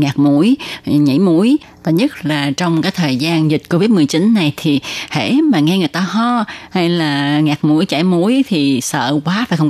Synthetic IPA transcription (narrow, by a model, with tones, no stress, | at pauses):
ŋaː˨˩k̚mu˧˥əjɲḭ˧˥mu˧˥əj | t̪ɔ˧˩ɲə˦˥t̚laː˨˩t͡ɕɔ˧wŋ͡mkaː˨˦jt̪ʰəː˨˩jzaː˧nzi˨˩k̟̚ko˧vi˦˥t̚mɨ˨˩əjt͡ɕi˨˦nːa˨˩jt̪ʰi˨˩hḛ˧˩˥maː˨˩ŋɛ˧ŋɨ˨˩əjt̪aː˧hɔ˧ha˧jlaː˨˩ŋaː˨˩k̚mu˧˥əjt͡ɕa˧˩jmu˧˥əjt̪ʰi˨˩sə̰ː˧˨kwaː˨˦faː˧˩jxw